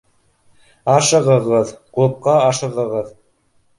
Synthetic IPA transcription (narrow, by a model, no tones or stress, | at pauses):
ɑʃɤ̆ʁɤ̆ʁɤðqup̚qɑɑʃɤ̆ʁɤ̆ʁɤð